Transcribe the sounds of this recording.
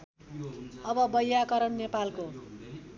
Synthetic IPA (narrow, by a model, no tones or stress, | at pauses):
ʌbʌbʌjakʌɾʌnnepalko